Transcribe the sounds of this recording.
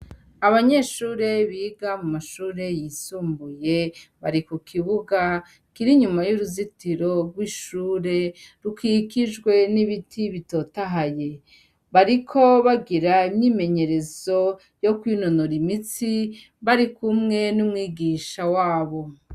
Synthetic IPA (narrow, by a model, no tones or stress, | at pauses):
aβaɲeʃuːɾe̞βiːɡamumaʃuːɾe̞jisuːmbuje̞βaɾikukʰiβuɡa | kiɾiɲumajuɾuzitiɾo̞ɡwiʃuːɾe̞ɾukikid͡ʒɡwe̞niβitʰiβito̞taɦaje̞ | βaɾikʰo̞βaɡiɾaimɲiːme̞ɲe̞ɾe̞zo̞ | jo̞kwiːnonoɾimit͡si | βaɾikumŋe̞numŋiːɡiːʃawaːβo̞